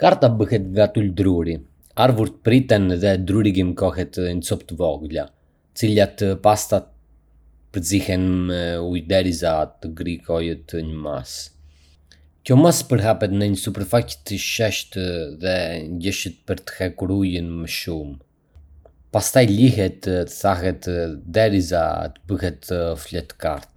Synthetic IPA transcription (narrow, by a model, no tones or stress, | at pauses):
kaɾt̪abəhɛt̪ŋɡat̪uld̪ɾuɾi | aɾvuɾt̪ə̥pɾit̪ɛnðɛd̪ɾuɾiɡimkɔxɛt̪ɲət͡sɔpt̪əvɔɡla | ət͡silat̪past̪at̪̚ | pəɾd͡zihɛnmɛujd̪ɛɾizat̪əɡɾikɔjət̪əɲəma̰s | kɔmaspəɾɦapɛt̪nəɲəsupɛɾfact̪əʃɛʃt̪ðɛɲɟəʃət̪̚pəɾt̪ə̥hɛkuɾujənməʃum | past̪ajliɦɛt̪əθaɦɛt̪d̪ɛɾiza̰t̪əbəɦɛt̪əflɛt̪ːə̥ka̰ɾt̪̚